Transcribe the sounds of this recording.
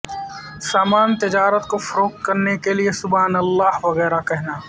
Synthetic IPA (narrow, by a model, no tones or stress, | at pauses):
saːmaːnt̪ɪd͡ʒaːɾət̪kofɐɾoːkkɐɾnekeliesʊbaːnɐlːaːɦʋɐɣɛːɾakɛɦnaː